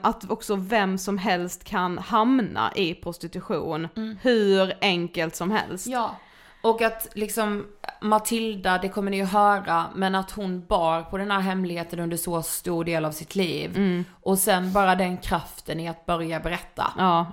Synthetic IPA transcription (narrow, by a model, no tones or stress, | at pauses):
ʔat̪ɔksɔvɛmsɔmɦɛlst̪kʰanhamna̰ʔɪpʰɾʊst̪ɪt̪ɵɧṵːnhɵ̟ɾɛŋkəlt̪sɔmɦɛ̰lst̪ː | ɔkat̪lɪksɔmmat̪ʰɪld̪ad̪ɛkʰɔmːənɪjɵɦœːɾamɛnat̪hʊnbɑːɾpʰɔd̪ɛnhæːɾɦɛmlɪɡheːt̪ənɵnd̪əʂɔst̪uːɖeːlavsɪt̪ʰliːvʔɔsɛnbɑːɾad̪ɛnkʰɾaft̪ʰənɪat̪̚bœɾjabɛɾɛt̪ʰːa̰ɑː